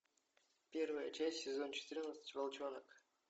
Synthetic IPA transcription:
pʲe̞rvəjət͡ɕæsʲtʲsʲɪzo̞nt͡ɕɪ̥t̪ɨɾʲnət̪sə̥t͡ɕʲvɐlˠt͡ɕonək

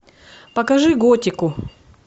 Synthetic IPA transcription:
pɐkɐʐɨɡotʲɪkʊ

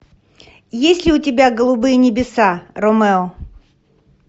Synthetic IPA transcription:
jesʲlʲɪʊtʲɪbʲaɡəlˠʊbɨjənʲɪbʲɪsaromɛɔ

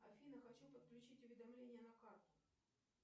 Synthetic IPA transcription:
ɐfʲinəxɐt͡ɕʲelˠpət̪̚klʲʉt͡ɕitʲʊvʲɪd̪ɐmlʲenʲɪjənɐkart̪ʲʊ̥

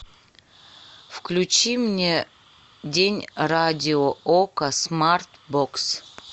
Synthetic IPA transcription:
fklʲut͡ɕimnʲe | dʲenʲradʲɪookəsmart̪boks

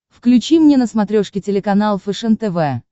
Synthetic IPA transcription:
fklʲʉt͡ɕimnʲenəsmɐt̪ɾʲoʂkʲɪtʲɪlʲɪkɐnalˠfɨʂɛnt̪ɛvɛ

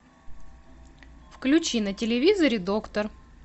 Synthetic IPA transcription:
fklʲʉt͡ɕinətʲɪlʲɪvʲizəɾʲɪd̪o̞kt̪ər

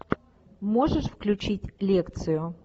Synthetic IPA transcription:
mo̞ʐɨʂfklʲʉt͡ɕitʲlʲekt̪sɨjʊ

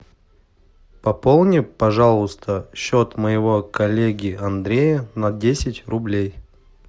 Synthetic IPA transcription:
pɐpolˠnʲɪpɐʐalˠʊst̪ʰəɕːot̪məjɪvo̞kɐlʲeɡʲɪɐnd̪ɾʲejənɐdʲesʲɪtʲrʊblʲej

